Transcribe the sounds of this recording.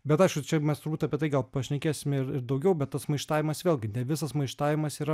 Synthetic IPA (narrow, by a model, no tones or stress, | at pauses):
bʲɛt̪ɐɪʃkʊt͡ʃʲɛmʲɛst̪ʊɾbuːt̪ɐːpʲiɛt̪ɐɪɡɐlˠpɐʃʲnʲɛkʲeːsʲɪmʲɪɾɪɾd̪ɐʊɡʲɛʊbʲɛt̪t̪ːɐsmɐɪʃt̪ɑːʋʲɪmɐsʋʲeːlʲˠɡʲɪnʲɛʋʲɪsɐsmɐɪʃt̪ɑːʋʲɪmɐsiːɾɐ